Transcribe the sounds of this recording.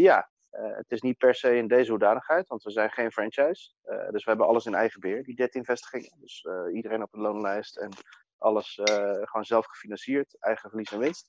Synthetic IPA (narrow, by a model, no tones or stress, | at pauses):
jaː | ə̰tɪsnit̚pɛɹsejɪndejzəɦudaːnəχɦɛjtʋɑntʋəzɛjnχejnfrɛnt͡ʃɛjs | ə̰dɵsʋəɦɛbənɑ̰ləsɪnɛjχəbɪːɹdidɛtɪnvɛstə̥χɪŋdɵsidərejnɔpənlownlɛjstɛn | ʔɑ̰ləsχəoːnzɛlˠfχəfinɑnsiːɹtɛjχəfəɹlisɛnʋɪnst